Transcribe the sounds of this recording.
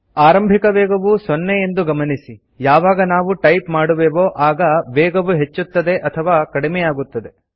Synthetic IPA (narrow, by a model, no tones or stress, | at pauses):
aːɾɐmbʱikɐʋɛːɡɐʋusonːeje̞nd̪uɡɐmɐnisi | jaːʋaːɡɐnaːʋuʈɐjpmaːɽuʋeːʋoːʔaːɡɐʋɛːɡɐʋuɦe̞t͡ʃːut̪ːɐd̪e̞ʔɐt̪ʰɐʋaːkɐɽimɛjaːɡut̪ːɐd̪e̞